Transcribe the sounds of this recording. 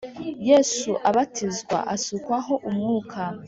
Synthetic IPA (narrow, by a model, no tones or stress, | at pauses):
jeːsuʔaβatʰizɡwa̰ʔasukwaɦo̞ʔumŋuːkʰa